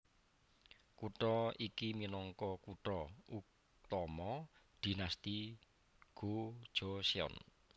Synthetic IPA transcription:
kuʈɔikiminɔŋkɔkuʈɔuk̚ | t̪ɔmɔd̪̥i̤nast̪i | ɡ̥o̥ʒ̥ɔsiɔ̰n

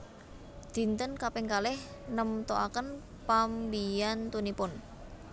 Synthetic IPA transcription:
d̪̥i̤nt̪ənkapɪŋkalɪhnəmt̪oʔakən | pambijant̪unipʊn

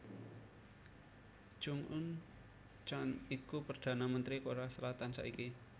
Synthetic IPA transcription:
d̥ʒ̥uŋʔʊn | t͡ʃanikupərd̪̥a̤namənt̪ɾikoɾasəlat̪ansa̰ʔiki

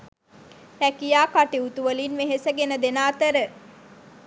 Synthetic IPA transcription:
hɛkijaːkaʈiut̪uʋəlinʋeɦesəɡenəd̪enaːt̪əɾə

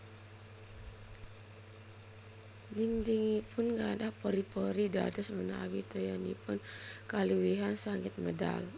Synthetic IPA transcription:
diŋdiŋipʰʊnŋɡadahpɔɾipɔɾida̰dəsməna̰wit̪ɔjanḭpʊnkaluwiɦansaŋɪt̪̚məda̰l

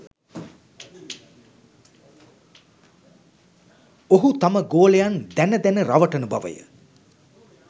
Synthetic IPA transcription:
oɦut̪aməɡoːlejand̪ænəd̪ænəɾaʋəʈənubaʋə̰jə̰

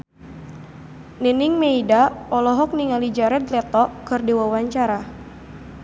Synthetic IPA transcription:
niniŋmeidaɔlɔɦɔk̚niŋalid͡ʒaɾɛd̪lɛt̪ɔkɨrdewawaɲt͡ʃaɾa

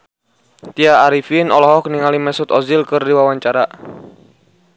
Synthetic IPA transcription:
t̪iaːɾifinɔlɔɦɔkniŋalimɛsʊt̪ɔzilkɨrdiwawaɲt͡ʃaɾa

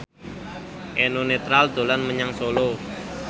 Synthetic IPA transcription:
ʔenonet̪ɾald̪̥o̤lanməɲaŋsolo

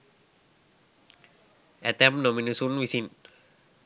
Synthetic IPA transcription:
ɛt̪ɛ̃mnɔ̃minusunwisĩn

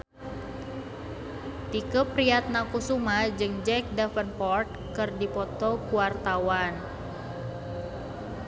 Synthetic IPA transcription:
t̪ikəpɾiat̪̚nakusumad͡ʒɨŋd͡ʒɛk̚dafənpɔrt̪̚kɨrdipɔt̪ɔkuwart̪awan

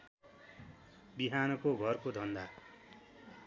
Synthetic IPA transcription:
biɦanʌkoɡʱʌrkod̪ʱʌnd̪a

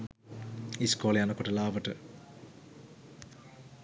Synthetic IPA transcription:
iskoːlejanɐkoʈəlaːʋəʈə

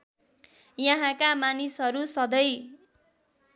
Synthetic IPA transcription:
jʌɦãkamanisɦʌɾusʌd̪ʌj

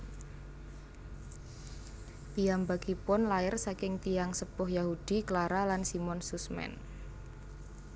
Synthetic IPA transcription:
t̪ijambaɡ̥ipʊnlaɪrsakɪŋt̪ijaŋsəb̥ʊhjahud̪̥i̤klaɾalansimɔnsusmɛ̰n

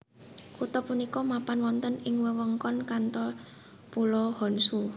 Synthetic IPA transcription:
kut̪ɔpunikɔmapanwɔnt̪ənɪŋwəwəŋkɔnkant̪ɔ | pulɔhɔnsu

